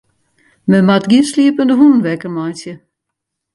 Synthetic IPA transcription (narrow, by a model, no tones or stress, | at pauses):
məmatɡiəsliəpəndəɦunənʋɛkərmajnsjə